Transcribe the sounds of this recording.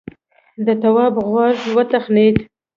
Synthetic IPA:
d̪ət̪awɑbɣwɑʒwət̪axnet̪

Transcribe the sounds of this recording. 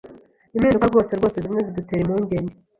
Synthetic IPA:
imhiːndukaɾɡo̞ːseɾɡo̞ːsezimŋeziduteɾimuɲɟe̞ːɲɟe

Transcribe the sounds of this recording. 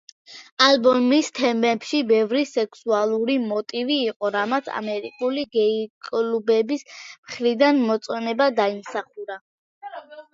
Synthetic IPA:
albɔmist̪ʰɛmɛpʃibɛvɾisɛkʰsualˠuɾimɔt̪ʼiviːqʼɔɾamat̪sʰa̰mɛɾikʼuliɡɛikʼlubɛbismχɾid̪anmɔt̪sʼɔnɛbad̪aimsaχuɾa

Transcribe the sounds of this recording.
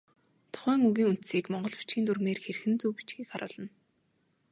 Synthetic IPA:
t̪ʰʊ̥χæːŋuɣiːŋunt̪siːkmɔɴɢɞ̆ɮpu̥t͡ɕɡiːnt̪urɣmeːrxeɾ̆xɘ̆nt͡suwpi̥t͡ɕɡiːkχaɾʔʊ̰ːɮə̆n

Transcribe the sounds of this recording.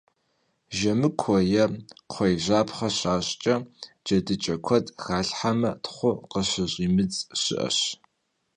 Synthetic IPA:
ʒɐmɨkʷʰɔjɐqʷʰɔjʑaːpʰχɐɕaːɕʼt͡ʃʼɐ | d͡ʒɐdɨt͡ʃʼɐkʷʰɔtʼxaːɬħamɐtʰχʷʊqəɕɪʑʼiːmɨt͡sʼɕɪ̰ʔɐ̰ɕ

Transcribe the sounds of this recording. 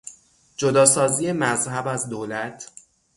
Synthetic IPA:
d͡ʒod̪ɒːsɒːziːje̞mæzhæbæzd̪oːlæt̪ʰ

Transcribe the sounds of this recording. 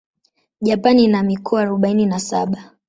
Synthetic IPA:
ʄapaninamikʰɔaːɾɔɓaininasa̰ɓa

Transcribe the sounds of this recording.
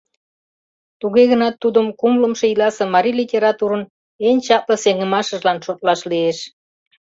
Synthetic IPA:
t̪uɣeɣənɑt̪ːud̪əmkumləmʃeilɑsĕmɑɾʲilitʲeɾɑt̪uɾə̆n | enʲt͡ɕɑp̚ləseŋə̆mɑʃəʒlɑnʃot̪̚lɑʃlieʃ

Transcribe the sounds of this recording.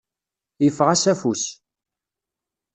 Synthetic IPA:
jəfːʁæsæfus

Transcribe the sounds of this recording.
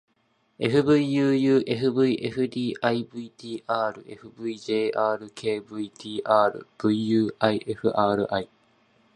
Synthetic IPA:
ʔeɦɯbɯjjɯːjɯːʔeɦɯbɯiʔeɦɯd̪iːʔajbɯit̪iːʔaːɾɯ̰ʔḛhɯbɯid͡ʒeːʔaːɾɯkʰeːbɯit̪iːʔaːɾɯ̰b̥ɯiːɯːʔajʔehɯ̰ʔaːɾɯ̰ʔaj

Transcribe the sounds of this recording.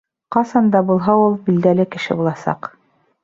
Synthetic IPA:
qɑsɑnd̪ɑbulˠɦɑulˠbild̪ælɘkɘ̆ʃɘ̰bulˠɑsɑ̰q

